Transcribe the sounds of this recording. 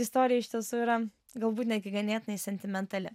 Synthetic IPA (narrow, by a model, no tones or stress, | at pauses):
ɪst̪oːɾʲɪjɛɪʃʲt̪ʲiɛsuːiːɾɐ | ɡɐlˠbuːt̪nʲɛd̪̚ʲɡʲɪɡɐnʲeːt̪ʲɪnɐɪsʲɛnʲt̪ʲɪmʲɛnt̪ɐlʲɪ